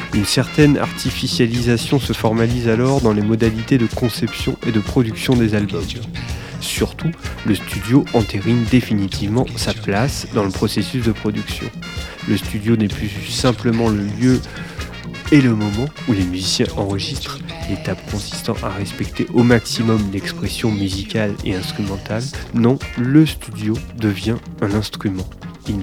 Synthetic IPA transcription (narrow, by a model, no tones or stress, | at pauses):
ynsɛʁt̪ɛna̰ʁt̪ʰifisjalizasjɔ̃səfɔʁmalizalɔʁd̪ɑ̃lemɔd̪alit̪ed̪əkɔ̃sɛpsjɔ̰̃ʔed̪əpχɔd̪yksjɔ̃d̪ezalbɔm | syʁt̪uləst̪ʰyd̪joʔɑ̃t̪eʁind̪efinit̪ivmɑ̃saplasd̪ɑ̃ləpχɔsesys̬d̪əpχɔd̪yksjɔ̰̃ | ləst̪yd̪jonɛplysɛ̃pləmɑ̃ləljø | eləmɔmɑ̃ | ulemyzisjɛ̃ʔɑ̃ʁəʒist̪χlet̪apkɔ̃si̥st̪ɑ̰̃ʔaʁɛspɛkt̪eʔomaksimɔmd̪ɛkspχɛsjɔ̃myzikʲalḛɛ̃st̪χymɑ̃t̪alnɔ̃ləst̪yd̪jod̪əvjɛ̃ɛ̃nɛ̃st̪χymɑ̃ | i